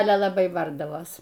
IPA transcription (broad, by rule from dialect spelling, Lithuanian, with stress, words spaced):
ˈɑːlʲɛ lˠɐˈbɐɪ ˈbɐrdɐʋoːs